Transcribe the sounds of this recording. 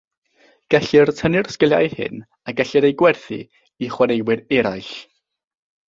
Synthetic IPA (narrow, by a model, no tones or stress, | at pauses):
ɡ̥ɛɬɪrtʰənɪrskəlˠja̰jhɪ̰n | aɡɛɬɨɾejɡwɛrθḭ | iχwanejwɪɾɛɾajɬ